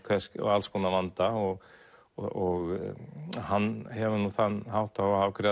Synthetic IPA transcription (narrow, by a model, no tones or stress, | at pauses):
kʰvɛskɔ̰ɣalskɔnavant̪aɔɣ | ɔɣ | hanːhɛvʏnuθanːɦawht̪ahawkʰɾɪ